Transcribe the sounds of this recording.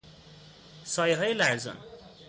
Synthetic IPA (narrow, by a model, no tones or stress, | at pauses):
sʌjɦʌjlaɾd͡zʌ̰n